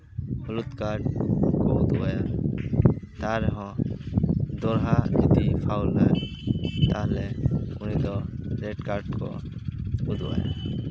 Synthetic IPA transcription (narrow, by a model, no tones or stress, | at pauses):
hɔlut̪kaɾɖkɔud̪uwaja | t̪aɾɛɦɔ̃ | d̪ɔɾɦanit̪ipʰawlːa | t̪aɦlɛunid̪ɔɾɛɖkaɾɖkɔ̰ | ud̪ṵa̰ja̰